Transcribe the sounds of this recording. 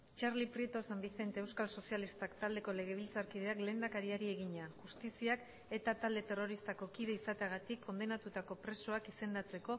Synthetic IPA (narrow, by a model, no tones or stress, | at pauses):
t͡ʃaɾlipɾit̪o̞sambiθe̞nt̪e̞ːewskalso̞sialist̪akt̪ald̪e̞ko̞le̞ɣ̞e̞β̞ilt͡saɾkiðe̞akle̞ːnd̪akaɾiaɾie̞ɣ̞iɲaʝust̪isiak | e̞t̪at̪ald̪e̞t̪e̞ro̞ɾist̪ako̞kiðe̞isat̪eaɣ̞at̪ikʰːo̞nd̪e̞nat̪ut̪ako̞pɾe̞so̞akise̞nd̪at͡se̞ko̞